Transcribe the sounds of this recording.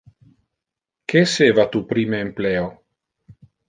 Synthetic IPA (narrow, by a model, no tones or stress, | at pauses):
kʰeseːvat̪upɾiːmeːmpleːo